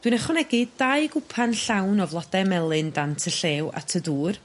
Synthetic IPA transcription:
d̥winaχɔnɛɡɨdajɡʊpʰanɬawnɔvlˠɔdɛmɛlˠɨndantʰəɬeːwa̰tʰəduːr

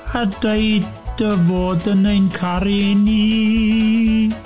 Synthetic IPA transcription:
adeɨdəvoːdənejnkʰaɾeni

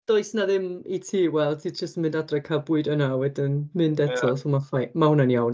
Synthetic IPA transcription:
d̥oɨsnaðɪmitʰiːwɛlˠtʰiːd͡ʒəstmɪndadrɛkʰabʊɨdənawɛdɪnmɨndɛtʰɔlˠsomafajmaɦʊnanjawn

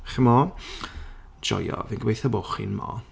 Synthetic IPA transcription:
χmɔ | d͡ʒɔ̰jɔvinɡwejθɔboχḭnmɔ̰

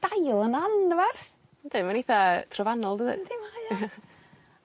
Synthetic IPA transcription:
d̥ajlˠənandəvarθ | d̥emaniθatʰrɔvanɔlˠdəðə̰dma

